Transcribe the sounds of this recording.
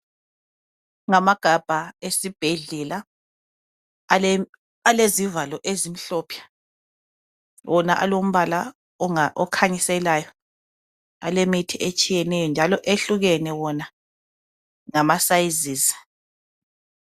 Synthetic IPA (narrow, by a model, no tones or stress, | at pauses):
ŋamaɡ̥ʱab̥ʱaesib̥ʱeɮɛla | alezivalɔʔezim̩ɬɔːpʰjḁ | wʔɔnaʔa̰lom̩βala | ʔɔkʰaɲisɛlaːjɔ | a̰lemitʰiʔet͡ʃʼijɛnɛjɔnd͡ʒʱalɔʔeɬuɣɛnɛwɔna | ŋamasajiziːzi̥